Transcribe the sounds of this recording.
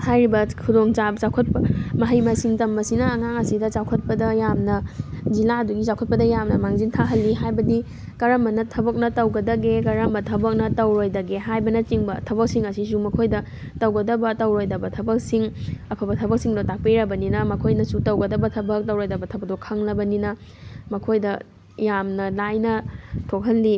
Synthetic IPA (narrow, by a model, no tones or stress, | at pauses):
hajɾibɐkʰudoŋt͡ʃat͡ʃawkʰɐt̚pɐmɐɦɐjmɐsiŋtɐmbɐsinɐːŋaŋɐsidɐt͡ʃawkʰɐt̚pɐdɐjamnɐzilaɐduɡit͡ʃawkʰɐt̚pɐdɐjamnɐmaŋzintʰaɦɐlːiɦajbɐdi | kɐɾɐmbɐnɐtʰɐbɐk̚nɐtɐwɡɐdɐɡekɐɾɐmbɐtʰɐbɐk̚nɐtɐwɾojdɐɡeɦajbɐnɐt͡ʃiŋbɐtʰɐbɐk̚siŋɐsis̬umɐkʰojdɐ | tɐwɡɐdɐbɐtɐwɾojdɐbɐtʰɐbɐk̚siŋɐpʰɐbɐtʰɐbɐk̚siŋdotak̚piɾɐbɐninɐmɐkʰojnɐsutɐwɡɐdɐbɐtʰɐbɐk̚tɐwɾojdɐbɐtʰɐbɐk̚dokʰɐŋlɐbɐninɐmɐkʰojdɐ | jamnɐlajnɐtʰok̚ɦɐlːi